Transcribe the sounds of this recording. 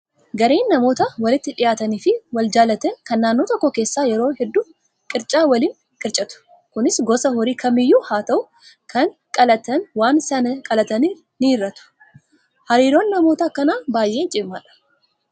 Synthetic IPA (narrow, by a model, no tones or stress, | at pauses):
ɡɐɾeːnːɐmo̞ːt̪ɐwɐlɪt̪ːɪᶑɪjaːt̪ɐniːfɪwɐld͡ʒaːlɐt̪ɛŋkɐnːaːnːo̞ːt̪ɔkːɔke̞ːsːaːjɛɾo̞ːhɛd̪ːuː | kʼɪɾt͡ʃʼaːwɐliːŋ | kʼɪɾt͡ʃʼɐt̪ʊ̥ | kʊnɪsɡɔsɐhɔɾiːkʰɐmɪjːuːhaːt̪ɐʔʊ | kʰɐŋkʼɐlɐt̪ɐnwaːnsɐnɐkʼɐlɐt̪ɐni | niːɾːɐt̪ʊ̥ | hɐɾiːɾo̞ːnːɐmo̞ːt̪ɐkːɐnaːbaːjʔe̞ːnt͡ʃʼɪbmːaːᶑɐ̥